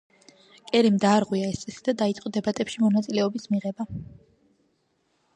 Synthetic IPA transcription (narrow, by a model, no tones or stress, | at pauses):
kʼɛɾimd̪aːɾʁwiaɛst̪sʼɛsid̪ad̪ait̪sʼqʼɔd̪ɛbat̪ʼɛpʃimɔnat̪sʼilɛɔbismiʁɛba